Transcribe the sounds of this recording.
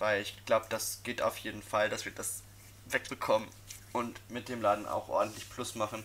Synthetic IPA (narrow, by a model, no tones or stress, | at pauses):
vaɪlɪçɡ̥laʊbəd̥asɡ̥eːtʔa̰ʊfjeːdn̩fald̥asv̥iːɐdas | vɛk̚b̥əkʰɔmən | ʔʊntmɪt̚d̥eːmlaːdn̩a̰ʊxʔɔ̰ɐdn̩tlɪçpl̥ʊsmaχn̩